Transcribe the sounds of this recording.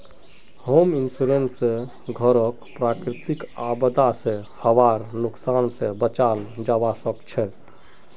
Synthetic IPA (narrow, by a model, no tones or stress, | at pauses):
hoːmɪnsuɾense | ɡʱəɾəkpɾaːkɾɪt̪ɪkaːbəd̪asehəʋaːɾnʊksaːnsebət͡ʃaːld͡ʒaːʋasəkt͡ʃʰɛ